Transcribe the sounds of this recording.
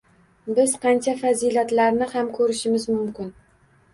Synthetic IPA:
bɪz̥qʰɑnt͡ʃʰafazilat̪laɾnɪhamkʰɵɾɪʃɪmɪzmʊmkʲɪn

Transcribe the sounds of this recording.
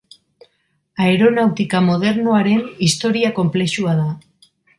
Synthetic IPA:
aeɾo̞nawt̪ikamo̞ð̞e̞ɾnoaɾe̞nist̪o̞ɾiako̞mple̞ʃuaða

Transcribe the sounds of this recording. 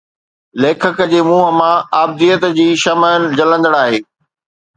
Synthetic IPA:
leːkʰəkə̆d͡ʑeːmuːɦə̆mãaːb̚d̪ijət̪d͡ʑiːʃɐməənɪ̆d͡ʑɐlə̃nd̪əɽaːɦeː

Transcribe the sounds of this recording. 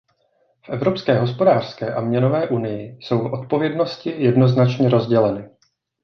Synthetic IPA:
fʔɛvɾo̞pskɛːɦo̞spo̞daːr̥skɛːʔamɲɛno̞vɛːʔunɪjɪso̞wfʔo̞t̪̚po̞vjɛdno̞scɪjɛdno̞znat͡ʃɲɛɾo̞zɟɛlɛnɪ

